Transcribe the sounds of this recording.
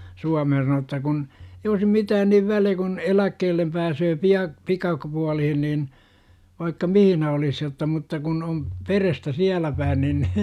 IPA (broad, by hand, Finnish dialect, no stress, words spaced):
suɑmehn sɑno etːæ kun ei oisi mitæːn niʋ ʋæliæ̥ kun elækːeːlːem pæːsøː piɑ pikɑk puɑlihin niːn ʋɑikːɑ mihinæ olis jotːɑ mutːɑ kun om perestæ siælæ pæin nin